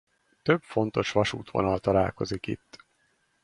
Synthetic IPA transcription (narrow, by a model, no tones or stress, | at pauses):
t̪øbfo̞nt̪o̞ʃʋɒʃuːt̪ʋo̞̰nɒlt̪ɒlaːlko̞zikḭt̪ː